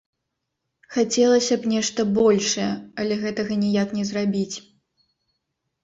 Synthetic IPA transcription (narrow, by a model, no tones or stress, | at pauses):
xat͡sʲɛlˠɐsʲɐpnʲɛʂt̪ɐbɔlʲʂɐjɐɐlʲɛɣɛt̪ɐɣɐnʲijaknʲɛzrabʲit͡sʲ